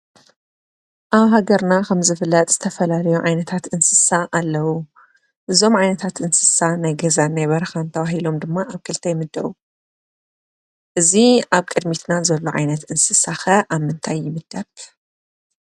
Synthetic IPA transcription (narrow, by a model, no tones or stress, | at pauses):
ʔaβɦaɡɐɾnakʰɐmzɨfɨlːɐt̪ʼz̥ɨt̪ʰɐfɐlalɐjuʕajnɐt̪ʰat̪ɨnsɨsaʔalːɐwu | ʔɨzo̞mʕajnɐt̪ʰat̪ʔɨnsɨ̥sanajɡɐzanːajβɐɾɐxant̪ʰɐβahilo̞md̪ɨmːaʔaβkʰɨlt̪ʰɐjmɨd̪ɐβu | ʔɨziʔaβkʼɨd̪mit̪ʰnazɐlːoʕa̰jnɐt̪ʔɨnsɨsaxɐʔaβmɨnt̪ʰajːɪmɨd̪̥ɐβ